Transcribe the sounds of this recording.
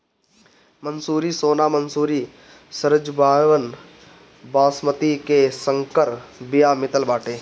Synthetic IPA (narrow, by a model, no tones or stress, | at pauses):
mənsuːɾisoːnaːmənsuːɾiː | səɾd͡ʒbaːʋən | baːsmət̪ikesə̃ŋkəɾbɪjaːmɪt̪əlbaːʈʰeː